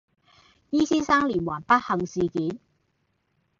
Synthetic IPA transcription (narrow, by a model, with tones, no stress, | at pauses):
jiː˥siː˥saː˥ŋliː˨˩nwaː˨˩npɐ˥t̚hɐ˨ŋsiː˨kiː˨˥n